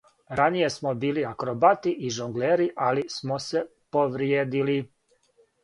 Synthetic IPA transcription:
ɾanije̞smobiːliakɾobat̪iʔiʒoŋɡleːɾiʔalismose̞poʋɾjeːd̪ili

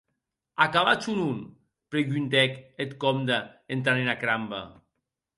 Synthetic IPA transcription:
akaβat͡ʃunun | pɾeɣynt̪ɛket̪kɔmd̪aent̪anenakɾamba̰

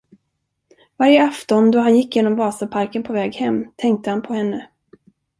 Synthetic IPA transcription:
vaɾjəaft̪ɔnd̪ɔɦanjɪkːjeːnɔmvɑːsapʰaɾkənpʰɔvɛːɡhɛmːt̪ʰɛŋk̚t̪əhanpʰɔhɛnːə

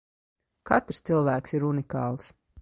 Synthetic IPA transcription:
kat̪ɾ̥st̪silˠvæːksiɾunikɑ̰ːlˠs

